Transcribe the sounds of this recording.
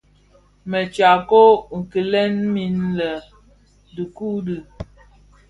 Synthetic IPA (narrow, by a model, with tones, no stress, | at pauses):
mɛ˨t͡ʃa˨ko˦ŋ̩˨ki˨lɛ˦nmi˨nlɛ˨ | di˨ku˦di˨